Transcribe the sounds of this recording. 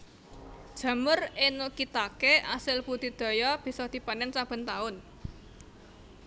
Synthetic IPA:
d̥ʒ̥ä̤mərenokit̪akeʔasɪlpud̪̥i̤d̪̥o̤jɔb̥i̤sɔd̪̥i̤panɛnsab̥ə̤nt̪aʊn

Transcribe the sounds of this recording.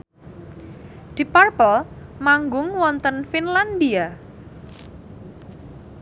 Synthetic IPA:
d̪̥iparpəlmaŋɡʊŋwɔnt̪ənfinland̪ia

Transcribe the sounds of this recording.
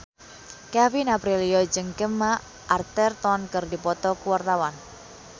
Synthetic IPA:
kafinapɾiliɔd͡ʒəŋkəmːa | ʔart̪ɛrt̪ɔnkərdipɔt̪ɔkuwart̪awan

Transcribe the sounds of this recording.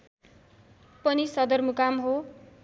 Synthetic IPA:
pʌnisʌd̪ʌrmukamɦo

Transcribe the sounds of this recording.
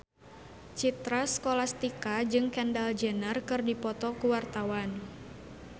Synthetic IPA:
t͡ʃit̪ɾaskolast̪ikad͡ʒɨŋkɛndald͡ʒənərkɨrdipɔt̪ɔkuwart̪awan

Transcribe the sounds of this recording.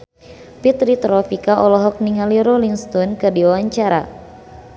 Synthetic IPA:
pit̪ɾit̪ɾɔfikaʔɔlɔɦɔk̚niŋaliɾɔliŋst̪ɔnkɨrdiawaɲt͡ʃaɾa̰

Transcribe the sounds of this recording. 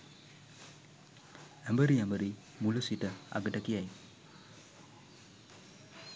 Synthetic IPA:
ɛmbəɾiambəɾi | muləsitəa̰ɡətakijaj

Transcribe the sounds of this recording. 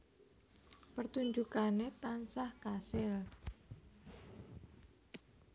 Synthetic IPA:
pərt̪uɲd͡ʒukanet̪ansahkasɛl

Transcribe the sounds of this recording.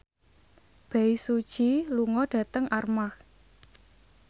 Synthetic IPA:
b̥a̤isud̥ʒ̥iluŋɔɖ̥ä̤t̪əŋʔarmah

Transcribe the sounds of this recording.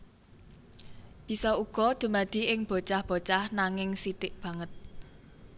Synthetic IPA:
b̪̥i̤sɔuɡ̥ɔ̤d̪̥ṳmad̪̥i̤ʔɪŋb̥o̤t͡ʃahb̥o̤t͡ʃahnaŋɪŋsit̪ɪʔb̥ä̤ŋət̪̚

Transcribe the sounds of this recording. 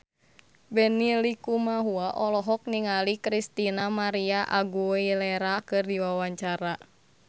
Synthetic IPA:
bɛnilikumaɦuaʔɔlɔɦɔk̚niŋalikɾist̪inamaɾiaʔaɡuilɛɾakɨrdiwawaɲt͡ʃaɾa

